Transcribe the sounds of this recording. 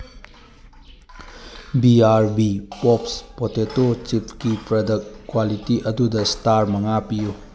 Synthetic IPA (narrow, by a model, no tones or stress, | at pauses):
biaɾbipɔpspotetot͡ʃipʰkipɾɐdɐkkːwalitiʔɐdudɐstaɾmɐŋapiju